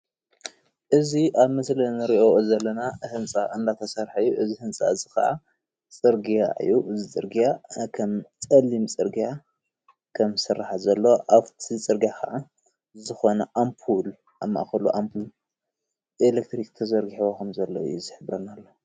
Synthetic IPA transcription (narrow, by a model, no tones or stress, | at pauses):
ʔɨziʔaβmɐslɐnɨɾiʔo̞zɐlːɐnahɨnt͡sʼaʔɨnd̪at̪ʰɐsɐɾħaɨjːuʔɨzihɨnt͡sʼa̰ɨzɨxɐ̰ʔa̰ | t͡sʼɨɾɡijaʔɨ̰jːuʔɨzit͡sʼɨɾɡijakʰɐmt͡sʼɐlimt͡sʼɨɾɡija | kʰɐmsɨrːaħazɐlːɐwʔaβt̪ʰit͡sʼɨɾɡijakɐ̰ʔa | zɨxo̞nɐʔampʰul | aβma̰ʔxɐluʔampʰul | ʔelek̚t̪ɾikt̪ʰɐzɐɾɡiħokʰɐmzɐlːo̰ɨ̰jːuzɨħɨβɾɐnːalːo